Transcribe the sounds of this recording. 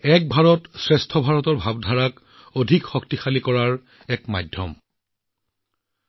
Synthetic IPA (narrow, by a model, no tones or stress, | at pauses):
ɛk̚bʱaɹɔtsɹestʰɔbʱaɹɔtɔɹbʱabdʱaɹak | odʱikxɔktixalikɔɹaɹ | ɛkmajdʱjɔ̰m